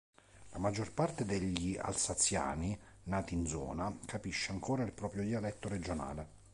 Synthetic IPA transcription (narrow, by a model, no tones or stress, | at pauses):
lamad͡ʒːorpart̪ed̪eʎːia̰lsat̪sːja̰ːni | naːt̪iːnd̪zɔ̰ːnakʰapiʃːeaŋkoːɾailpɾɔːpɾjod̪ialɛt̪ːoɾed͡ʒona̰ːle